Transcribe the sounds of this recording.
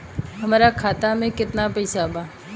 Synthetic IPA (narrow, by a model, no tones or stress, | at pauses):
ɦəmaːɾakʰaːt̪amẽkɪt̪napɐɪsabaː